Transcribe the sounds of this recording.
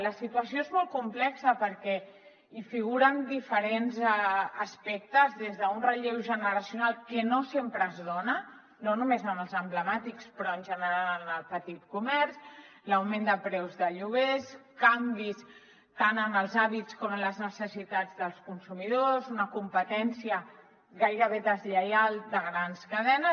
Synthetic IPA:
ləsit̪uəsjoezmɔlˠkumplɛksəpəɾkɛ | ifiɣuɾənd̪ifəɾenzɛəspɛk̚t̪əzðezðəunrəʎewʒənəɾəsiunalˠkənosempɾəːzðonə | nonumezəməlˠzəmbləmat̪ikspɾɔənʲʒənəɾaləlnəlˠpət̪it̪kumɛɾsləwmend̪əpɾɛwzðəʎuβeskambis | t̪anəməlˠzaβit͡skɔmələznəsəsit̪ad͡zðəlˠskunsumiðozunəkumpət̪ɛnsiə | ɣajɾəβ̞eðəzʎəjalˠd̪əɣɾanskəðɛnə

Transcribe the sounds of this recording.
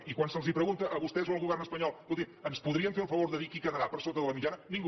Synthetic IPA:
ikwansəlˠzipɾəɣunt̪əʔəβust̪ɛzwoəlˠɣuβɛrnəspəɲɔlˠulˠt̪iənspuðɾiəɱfelˠfəβoɾðəðikikəðəɾapəɾsot̪əðələmit͡ʃanənĩŋɡ

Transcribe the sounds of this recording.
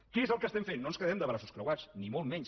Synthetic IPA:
keezəlˠkəst̪ɛmɱfenːonskəðɛmd̪əβɾasu̥skɾəwat͡snimolˠmɛɲʃ

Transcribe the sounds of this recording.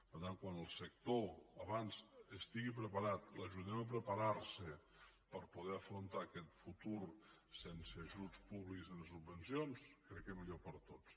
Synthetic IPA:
pəɾt̪aŋkwanəlˠsək̚t̪oəβanzəst̪iɣip̬ɾəpaɾat̪ləʒuðɛməpɾəpaɾaɾsə | pəɾpuð̞ɛəfɾunt̪aːkɛt̪fut̪uɾsenseəːʒut͡spuβlikzənsubːənsijonskɾɛkːemiʎopəɾt̪ot͡s

